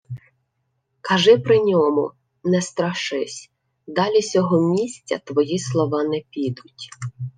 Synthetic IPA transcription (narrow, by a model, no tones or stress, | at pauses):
kʰɐʒɪpɾɪnʲɔmʊ | nɛst̪ɾɐʃɪsʲ | d̪ɑlʲisʲɔɦɔmʲisʲt͡sʲːɐ̰t̪ʋɔjislˠɔʋɑnɛpʲid̪ʊtʲ